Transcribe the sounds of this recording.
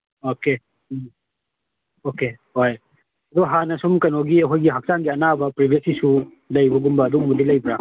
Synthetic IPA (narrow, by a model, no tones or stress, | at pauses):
oke | okehoj | ɐd̪ɔɦanɐsumkɐnoɡiɐɦojɡiɦak̚saŋɡiɐnabɐpɾibʱiesisu | lɐjbɐɡumbɐːd̪uŋmud̪ilɐjbɾa